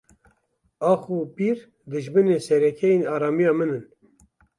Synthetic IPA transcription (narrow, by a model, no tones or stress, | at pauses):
ɑːxupiɾ | d̪ɨʒmɨneːsɛɾɛkʰɛjenɑːɾɑːmijɑːmɨnɨn